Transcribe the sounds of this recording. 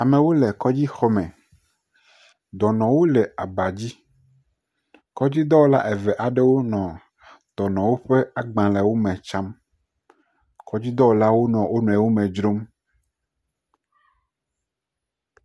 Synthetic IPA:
a˨mẽ˨wo˦lɛ˨kɔ˦d͡ʑi˦xɔ˦mɛ̃˨ | d̪ɔ˨nɔ̃˨wo˦lɛ˨a˨ba˨d͡ʑi˦ | kɔ˦d͡ʑi˦d̪ɔ˦wo˦la̰˦ʔɛ˨vɛ˨ʔa˨ɖe˦wo˦nɔ̃˨ | d̪ɔ˨nɔ̃˨wo˦ɸe˦a˨ɡ͡bã˨lɛ˨wo˦mɛ̃˨t͡ʃa˦m | kɔ˦d͡ʑi˦d̪ɔ˦wo˦la˦wo˦nɔ̃˨wo˦nɔ̃˨ɛ˨wo˦mẽ˨d͡ʒɾo˦m

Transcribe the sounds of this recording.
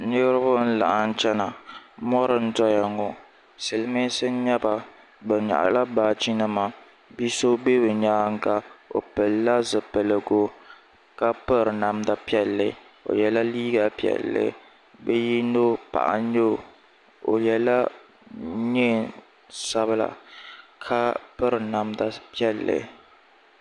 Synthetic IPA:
nɨ˦ɾɨ˦bʊ˦n̩˦la̰˨ʔa˨n̩˦t͡ʃɛ˦na˨mɔ˦ɾɨ˨n̩˦tɔ˦ja˨ŋɔ˨ | sɨ˨lɨ˦mi˦sɨ˦n˦ɲɛ˦ba˨ | bɨ˨ɲa̰˨ʔa̰˨la˦baː˨t͡ʃi˦nɨ˦ma˨ | bi˦so˦be˦bɨ˨ɲaː˦ŋ̩˦ka˦o̰˨pɛ˨lːa˦zɨ˨pɛ˨lɨ˨ɡo˦ | ka˦pɨ˦ɾɨ˨na˨mda˨pi˦ɛ˦lːɨ˨ | o̰˨jɛ˨la˦liː˦ɡa˨pi˦ɛ̰˨lːɨ̰˦ | bɛ˦ji˦no˦pa̰˨ʔa̰˦ɲo˦˨ | o̰˨jɛ˨la˦ | ɲe˦ | sa˦βɨ˦la̰˨kʰa˦pɨ˦ɾɨ˨na˨mda˨pi˦ɛ˦lːɨ̰˨

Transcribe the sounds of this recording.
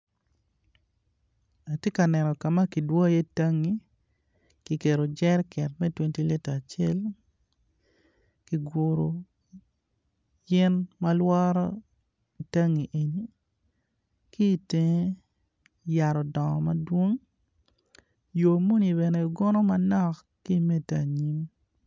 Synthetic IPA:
a˨tje˦ka˨nɛ˨nɔ˨ka˨ma˦ki˨dwɔ˦je˦ta˦ŋːi˦ | ki˨ke˨ɾo˨d͡ʒɛ˦rkʰɛ˨t̚mɛ˦twe˦nti˦le˦ta˨t͡ʃe˦l | ki˨ɡʊ˨ɾo˨ | jɪ˦nma˦lwɔ˦ɾɔ˦ | i˨ta˦ŋi˨ʔe˨ni˦ | ki˦˨te˦ŋ˦ | ja˨ɾɔ˨dɔ˨ŋɔ̰˨ma˦dwo˦ŋ | jo˨mu˦ni˨βɛ˨nɛ˨i˨ɡɔ˦nɔ˦ma˦nɔ˦˨k | ki˦me˦ta˨ɲi˦m

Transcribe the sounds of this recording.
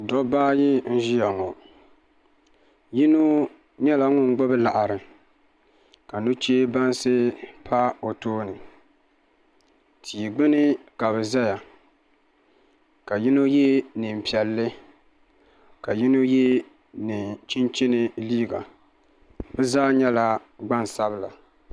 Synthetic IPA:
dɔ˦baː˦ji˦n̩˦ʒi˦ja˨ŋɔ˨ | ji˦no˦ | ɲɛ˦la˨ŋʊ˦ŋ˦ɡ͡bɔ˦bɨ˦la˨ʔa˨ɾɨ˨ | ka˨nu˦t͡ʃeː˦ba˦nsɨ˦pʰa˦o˨toː˦nɨ˨ | tʰiː˨ɡ͡bɪ˦nɨ˦ka˨bɛ˨za˦ja˨ | ka˨ji˦no˦jɛ˦nɨ˨m˨pi˨ɛ˨lːɪ˦ | ka˨ji˦no˦je˦ | nɨ˨t͡ʃɪ˦nt͡ʃɪ˦nɨ˦˨liː˦ɡa̰˨ | bɛ˦zaː˦ɲɛ˦la˦ɡ͡ba˦n˨sa˦bla̰˨

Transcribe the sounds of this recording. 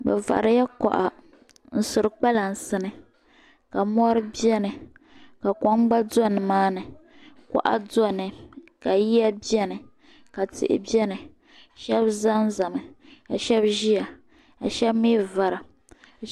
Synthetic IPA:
bɛ̰˨va̰˨ɾja˦kɔ̰˨ʔa̰˨ | n̩˦sʊ˨ɾɨ˨k͡pa˦la˨n̩˨sɨ˦nɨ˨ | ka˨mɔ˦ɾɨ˦bi˦ɛ˦nɨ˨ | ka˨kɔ˦ŋ˦ɡ͡ba˦dɔ˦˨nɨ˨maː˦nɨ˨ | kɔ̰˦ʔa̰˦dɔ˦˨nɨ˨ka˨ji˦a˦bi˦ɛ˦nɨ˨ | ka˨tɪ̰˨ʔɪ̰˦bi˦ɛ˦nɨ˨ | ʃɛ˦bza˦n˦za˨mɨ˨ka̰˨ʃɛ˦bʒi˦a˨ | ka˨ʃɛ˦bmi˦va˨ɾa˨

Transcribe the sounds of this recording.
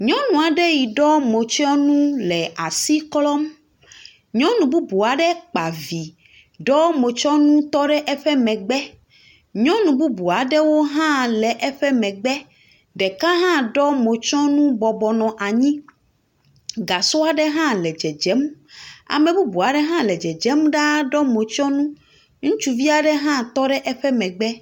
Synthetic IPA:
ɲɔ̃˦nũ˨a˨ɖe˦ji˨ɖɔ˦mo˨t͡ʃɔ˦nũ˦lɛ˨a˨si˦klɔ˦m | ɲɔ̃˦nũ˨bu˦bu˨a˨ɖɛ˦k͡pa˨vi˨ | ɖɔ˦mo˨t͡ʃɔ˦nũ˦t̪ɔ˦ɖɛ˦ʔɛ˦ɸɛ˦mɛ̃˨ɡ͡bɛ˦ | ɲɔ̃˦nũ˨bu˦bu˨a˨ɖɛ˦wo˦ɦã˦lɛ˨ʔɛ˦ɸɛ˦mɛ̃˨ɡ͡bɛ˦ | ɖɛ˨kã˦ɦã˦ɖɔ˦mo˨t͡ʃɔ̃˦nũ˦bɔ˨bɔ˨nɔ̃˨ʔa˨ɲĩ˦ | ɡa˨so˦a˨ɖɛ˦ɦã˦lɛ˨d͡ʒɛ˨d͡ʒɛ˨˦ma̰˨mɛ̃˨bu˦bu˨a˨ɖɛ˦ɦã˦lɛ˨d͡ʒɛ˨d͡ʒɛ˨˦mɖa˦ɖɔ˦mo˨t͡ʃɔ˦nũ˦ | ŋũ˦t͡ʃu˦vi˦a˨ɖɛ˦ɦã˦t̪ɔ˦ɖɛ˦ʔɛ˦ɸɛ˦mɛ̃˨ɡ͡bɛ˦

